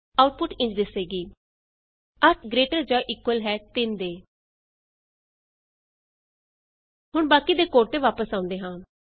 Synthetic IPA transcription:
aːʊʈ̚pʊʈɪ̃ɲt͡ʃd̪ɪseːɡiː | əʈʰɡɾeːʈəɾd͡ʒaːʔiːkwəlɦɛːt̪ɪnd̪eː | ɦʊɳbaːkid̪eːkoːʈt̪eːʋaːpəsãːʊ̃nd̪eːɦãː

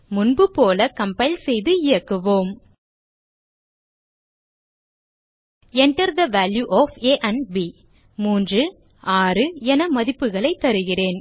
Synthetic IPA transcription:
mʊnbɯpoːlɐkɐmpɐɪlsɛjðɯɪjɐkːɯʋoːm | ɛɳʈɐɾd̪ɐʋaːljuʔɔːfeːʔɐnbi | muːndrɯ | aːrɯɛnɐmɐðɪpːɯɣɐɭɐɪt̪ːɐɾɯɣɪreːn

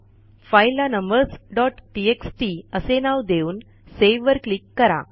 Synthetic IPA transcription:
fajlːanəmbəɾsɖɔʈʈieksʈiəsenaʋd̪euːn | seʋʋəɾklikːəɾa̰

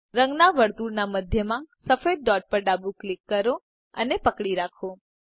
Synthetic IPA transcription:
ɾə̃ŋɡnaʋəɾt̪uɾnaməd̪ʱjəmãsəfed̚ːɔʈ̚pəɾɖabuklikːəɾo | ə̰nepəkɽiɾakʰo

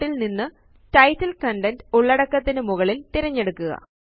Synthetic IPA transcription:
ilninːɨ | tɐjtːɐlkɐɳɖɐnduɭːɐɽɐkːɐt̪ːinɨmuɣɐɭilt̪iɾɐɲːe̞ɽukːuɣɐ̰

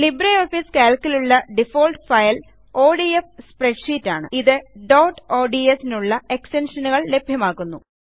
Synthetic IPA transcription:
libɾɐjoːfiskaːlkːiluɭːɐɖifo̞ːlʈfɐjl | o̞ːɖiefspreɖʂiːtːaːɳɨ̰iðɨɖoːʈo̞ːɖiesinuɭːɐe̞kstenʂɐnuɣɐɭle̞bʱjɐmaːɣːunːu

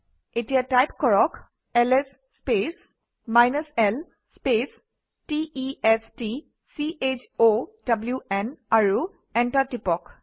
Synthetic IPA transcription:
etijatajpkɔɹɔk | ɛlɛs | spes | majnasɛl | spes | tiiɛsti | siʔet͡ʃodabljuɛnaɹu | ɛntatipɔk

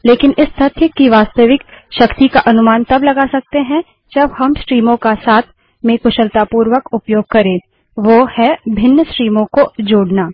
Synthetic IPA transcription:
leːkɪnɪst̪ɐt̪ʰjəkiʋaːst̪əʋɪkʃɐkt̪ikaʔɐnʊmaːnt̪ɐblɐɡasɐk̚t̪eɦɛ̃ | d͡ʒɐbhɐmsʈɾiːmõkasaːt̪ʰ | mẽkʊʃəlt̪aːpuːɾʋəkʊpjoːɡ̚kɐɾẽː | ʋohɛbʱɪnːəsʈɾiːmõkod͡ʒoːɽnaː

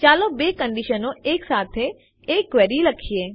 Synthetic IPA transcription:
t͡ʃaːlõbeːkə̃ɳɖiʃənõeːksaːt̪ʰe | eːkʋɛːɾilɐkʰieː

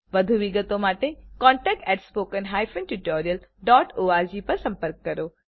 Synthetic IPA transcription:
ʋɐd̪ʱuʋɪɡət̪omaːʈekɔ̃ːɳʈɛːk̚ʈɛːʈspoːkənɦaːjfə̃nʈuʈoːɾijəlɖɔːʈoːaːɾd͡ʑipɐɾsɐ̃mpəɾkːɐɾoː

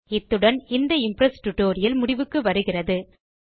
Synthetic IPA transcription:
ɪt̪ːɯɽɐnɪnd̪ɐɪmpɾɐsʈʊʈːoːɾɪjɐlmʊɽɪʋɯkːɯʋɐɾɯɣɪrɐðɯ

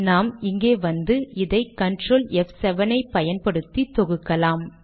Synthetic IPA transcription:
naːmɪŋɡeːʋɐnd̪ɯɪðɐɪkːɐɳɖroːlɛfsɛʋɐnɐɪpɐjɐnpɐɽɯt̪ːit̪ːɔɣɯkːɐlaːm

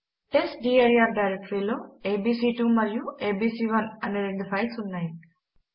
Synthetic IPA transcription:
esɖieɾiaɾɖajɾek̚ʈɾiloebisiʈumɐɾjũebisiʋɐnɐneɾed̪fʰajsunːaj

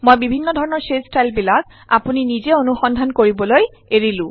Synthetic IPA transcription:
mojbibʱinːɔdʱɔɹɔnɔɹsestajlbilak | a̰puninizeonuxɔndʱankoɹibɔloj | eɹilʊ̃

